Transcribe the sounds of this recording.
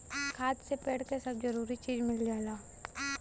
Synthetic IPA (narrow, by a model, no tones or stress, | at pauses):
kʰaːt̪sepeːɽkesɐbd͡ʒɐɾuːɾit͡ʃiːd͡ʒmɪld͡ʒaːlaː